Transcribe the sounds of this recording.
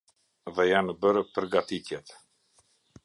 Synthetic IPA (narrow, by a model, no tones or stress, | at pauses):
ðɛjanəbəɾpəɾɡat̪it̪jɛt̪